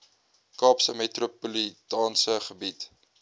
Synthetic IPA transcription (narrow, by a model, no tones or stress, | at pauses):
kɑːpsəmetropulitɑːnsəχəbit